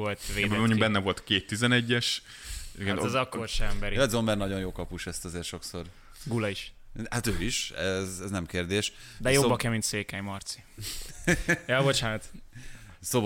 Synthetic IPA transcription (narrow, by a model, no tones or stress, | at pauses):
olt̪ʋeːmoɲɟuɡbɛnːɛvo̞lt̪keːt̪ːizɛnɛɟːɛʃ | ɛɔzɒkːorʃɛɛmbɛɾiɛd̪zombɛrnɒɟo̞njoːkɒpuʃɛst̪ɒzeːrʃo̞kso̞r | ɡulɒiʃ | hat̪øːiʃɛzɛznɛmkeːrd̪eːʃ | d̪ɛjoobːɒkɛmint̪seːkɛjmɒrt̪si̥ | jɒbo̞t͡ʃaːnɒt̪ | soːb